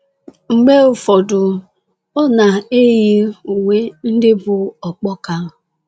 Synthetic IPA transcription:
ŋ͡m̩˨ɡ͡be˦ʊ˨fɔ˨dʊ˨ | ɔ˦na˨e˦ji˦u˨we˦n̩˦dɪ˦bʊ˨ɔ˨k͡pɔ˦ka˦˨

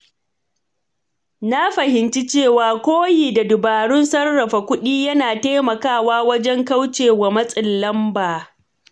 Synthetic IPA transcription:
na˦ɸɐ˨hɪ˨nt͡ʃi˦t͡ʃeː˦˨waː˨kʷoː˦jiː˨da˨dʊ˨baː˨ɽʊ˦nsɐ˦rːɐ˨ɸa˨kʷʊ˦ɗiː˦jɐ˦naː˨taː˦mɐ˨kaː˦˨waː˦wɐ˦d͡ʒɛ˦ŋka˦wt͡ʃeː˨wa˨mɐ˦sʼɪ˨lːɐ˦mbaː˨

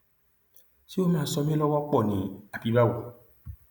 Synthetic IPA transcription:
si˦wo˦mãː˦˨sɔ˧mĩ˦lɔ˦wɔ˦k͡pɔ˦˨nĩ˨a˨pi˦ba˦wɔ˨

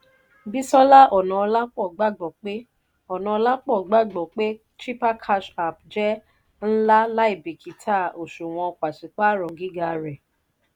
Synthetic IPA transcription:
bi˦sɔ˦la˦ʔɔ˨nɔ̃˨ɔ˧la˦k͡pɔ˦˨ɡ͡ba˦˨ɡ͡bɔ˨k͡pe˦ | ɔ˨nɔ̃˨˧ɔ˧la˦k͡pɔ˦˨ɡ͡ba˦ɡ͡bɔ˨k͡pe˦ | t͡ʃi˦pa˦kʰa˧ʃa˨p̚d͡ʒɛ˦ | n̩˦la˦la˦i˦˨bi˨kʰi˨tʰa˦˨o˨ʃũ˨w̃ɔ̃˧k͡pa˨ʃi˨k͡pa˦˨ɾɔ̃˨ɡi˦ɡa˧˦˧ɾɛ˨

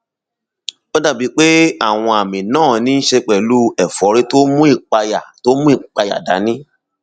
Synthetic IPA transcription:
ɔ˦da˦˨bi˨˧˦k͡pe˦a˦˨w̃ɔ̃˧a˨mĩ˨nãː˦˨nĩ˨˦n̩˦ʃe˧k͡pɛ˨lu˦ɛ˨fɔ˨˦ɾe˦to˦mũ˦i˦˨k͡pa˧ja˨to˦mũ˦i˦˨k͡pa˧ja̰˨da˨˦nĩ˦

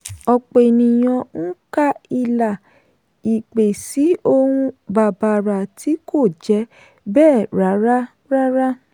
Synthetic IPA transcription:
ɔ˧k͡pe˨nĩ˨j̃ɔ̃˧n̩˦ka˦i˧la˨ | i˨k͡pe˨si˨˦o˧hũ˧ba˨ba˧˨ɾa˨ti˨˦kʰo˦˨d͡ʒɛ˨˧˦ | bɛː˦˨ɾa˨˦ɾa˦ | ɾa˦ɾa˦

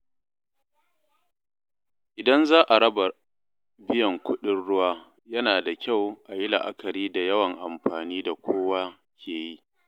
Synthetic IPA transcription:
ʔɪ˨dɐ˦nzaː˦ʔa˨ɽɐ˦ba˨ | bɪ˦jɐ˨ŋkʷʰʊ˦ɗɪ˦nɽʊ˦waː˦ | jɐ˦naː˨da˨kʲa˦˨wʔa˨jɪ˦la̰˨ʔa̰˦kʰɐ˨ɾiː˦da˨jɐ˦wɐ˨ŋʔa˨mɸaː˨niː˦da˨kʷʰoː˦wa˦ | kʲʰeː˨ji˦

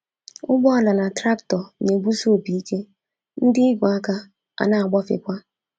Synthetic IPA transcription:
ʊ˦ɡ͡bɔ˦a˨la˨na˨tɾa˦ptɔ˨ɲe˨ɡ͡bu˦so˦˨bi˨i˦ke˦ | n̩˦dɪ˦ɪ˦ɡʷa˨a˦ka˦ | a̰˨na˦a˨ɡ͡bɔ˦fɪ̰˨kʷa˦

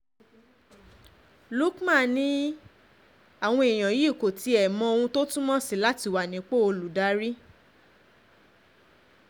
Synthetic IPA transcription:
lu˦kmã˦˨nĩ˦ | a˨w̃ɔ̃˧i˨j̃ã˨ji˨˦˨ko˨ti˧ɛ˨mɔ̃˧o˧wũ˧to˦tũ˦mɔ̃˦si˦˨la˦ti˧˨wa˨nĩ˨˦k͡pe˦o˧lu˨da˨˦ɾi˦

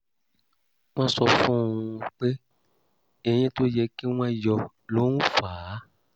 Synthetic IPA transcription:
w̃ã˦sɔ˧fũ˦˨˧k͡pe˦ | ɛ˧j̃ɛ̃˦to˦jɛ˧ke˦w̃ã˦jɔ˧˨ | lo˦nũ˦faː˨˦

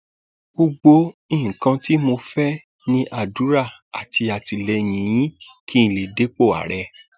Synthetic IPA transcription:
bo˧ɡ͡bo˧ĩ˦˨ŋ̩˨kã˧ti˦mo˧fɛ˦ | nĩ˦ʔa˦˨du˨˦ɾa˦˨a̰˨tʰi˧a˨ti˧lɛ˧˨j̃ĩ˨˦j̃ĩ˦ | kʰi˦ĩ˨le˨de˦k͡po˦˨a̰˨ɾɛ˧

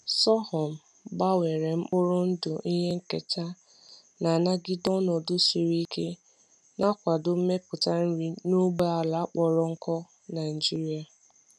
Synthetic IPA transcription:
sɔ˦hɔ˨m̩˨ | ba˦we˨ɾe˨m̩˦k͡pʊ˦ɾʊ˦n̩˦dʊ˨ʔi˦ɦe˦ŋ̩˦ke˨ta˦ | na˨na˦ɡɪ˦dɔ˦nɔ˨dʊ˦si˨ɾi˦ke˦ | na˦kʷa˨dʊ˨m̩˦me˦pʊ˨ta˦n̩˦ɾi˦no˦ɡ͡ba˦a˨la˨˦k͡pɔ˨ɾɔ˦ŋ̩˦kɔ˦ | na˨ɪ˨d͡ʒi˦ɾi˦a˨

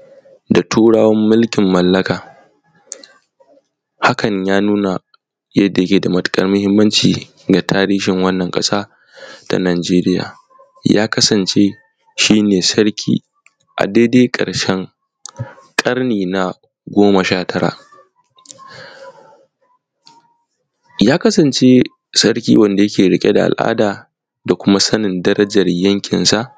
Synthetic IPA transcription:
da˨tʰuː˦ɽaː˦wɐ˦mːʊ˦lkʲɪ˨mːɐ˨lːɐ˦kaː˨ | ha˦kʰɐ˨ɲjaː˦nuː˦na˨ | jɐ˦dːa˨jɐ˦kʲeː˨da˨mɐ˦tʼkʼɐ˦rmʊ˦hɪ˦mːɐ˦nt͡ʃiː˨ | ɡa˨tʰaː˦ɾiː˦ʃɪ˨ŋwɐ˦nːɐ˨ŋkʼɐ̰˦saː˦ | ta̰˨naː˨d͡ʒeː˦ɾɪ˦ja̰ː˨ | ja̰ː˦kɐ˦sɐ˨nt͡ʃe˦ | ʃiː˦neː˨sɐ˦ɾkʲʰḭː˦ | ʔa̰˨deː˦deː˦kʼɐ̰˨ɽʃɛ˦ŋ | kʼɐ˦rniː˨na˨ | ɡʷoː˦mɐ˨ʃaː˦tʰɐ˦ɾa̰ː˨ʔ | jaː˦kɐ˦sɐ˨nt͡ʃe˦ | sɐ˦ɾkʲḭː˦wɐ˦˨nda˨jɐ˦kʲeː˨ɽɪ˦˨kʲʼe˦da˨ʔa̰˨lʔa̰ː˦daː˨ | da˨kʷʊ˦ma˦sɐ˦nɪ˨ndɐ˦ɾɐ˦d͡ʒɐ˨rjɐ˦ŋkʲɪ˨nsa˦˨ʔ

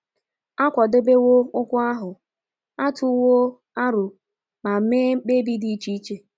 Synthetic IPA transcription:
a˦kʷɔ˨de˦be˦wo˦ʊ˦kʷʊ˦a˦ɦʊ˨ | a˦tʊ˦wo˦ | a˦ɾʊ˨ | ma˨˦meː˦m̩˦k͡pe˦bi˦di˦i˦t͡ʃi˦i˦t͡ʃe˦

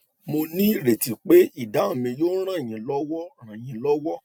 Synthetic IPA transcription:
mo˧nĩ˦˨ɾe˨ti˨k͡pe˦i˦˨da˨˦o˨mĩ˧jo˦ɾ̃ã˦˨j̃ĩ˨lɔ˦wɔ˦ɾ̃ã˨j̃ĩ˨lɔ˦wɔ˦

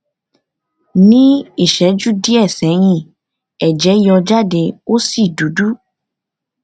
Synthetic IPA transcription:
nĩ˦i˦˨ʃɛ˨˦d͡ʒu˦di˦ɛ˦˨sɛ̃˨˦j̃ĩ˧˨ | ɛ˨d͡ʒɛ˨˦jɔ˧d͡ʒa˦˨de˧o˦si˦˨du˨˦du˦

